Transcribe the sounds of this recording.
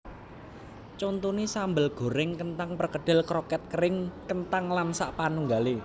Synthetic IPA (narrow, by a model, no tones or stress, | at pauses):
t͡ʃont̪unisambəlɡ̥o̤ɾɪŋkənt̪aŋpərkəɖ̥ɪ̤lkɾokɛt̪̚kəɾɪŋkənt̪aŋlamsaʔpanuŋɡale